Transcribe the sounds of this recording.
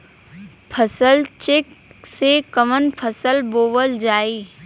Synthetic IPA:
pʰəsəlt͡ʃeksekəmənpʰəsəlboːʋəld͡ʒaːiː

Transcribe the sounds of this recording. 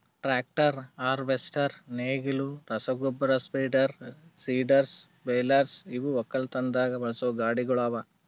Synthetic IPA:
ʈɾaːk̚ʈɐɾaːɾʋesʈɐɾneːɡiluɾɐsɐɡubɐɾɐspiːɖɐɾsiːɖɐɾs | beːlɐɾsiʋuɔkːɐlt̪ɐnd̪aːɡɐbɐɭɐsoːɡaːɽiɡɐɭaːʋɐ

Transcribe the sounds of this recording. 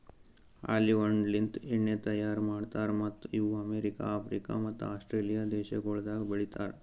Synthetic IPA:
a̰liʋəɳɖlint̪iɳet̪əjaɾmaɽt̪aɾmət̪juəmeɾika̰ːfɾika̰mət̪ːasʈɾelijad̪eɕeɡoɭd̪aɡbəɭit̪a̰ɾ

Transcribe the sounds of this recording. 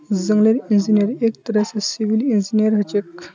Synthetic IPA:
d͡zəŋɡleɾind͡ʑinjəɾekt̪əɾəsəsiʋilind͡ʑinijəɾɦət͡ʃek

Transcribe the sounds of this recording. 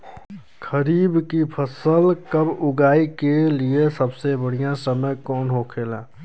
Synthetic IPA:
kʰəɾiːbkipʰəsəlkəbʊɡaːikeliesəbsebəɽ̤ijãsəməjkɔːnɦokʰeːlaː

